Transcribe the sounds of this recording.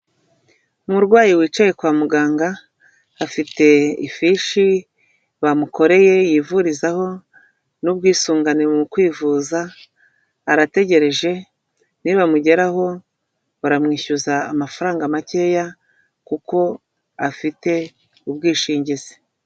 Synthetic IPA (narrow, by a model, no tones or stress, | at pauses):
umuɾɡwaːjiwiːt͡ʃaje̞kwaːmuɡaːŋɡaː | fite̞ḭfiʃi | βamuko̞ɾe̞je̞jiːvuɾizaho̞ | nub̚ɡiːsuːŋɡanemukwiːvuzaː | ɾate̞ɟe̞ɾe̞ʒe̞ | niβamuɟe̞ɾaɦo̞ | uɾamŋiːçuzaːmafaɾaːŋɡamace̞ja | kuko̞ | afite̞ | ub̚ɡiːʃiːɲɟize̥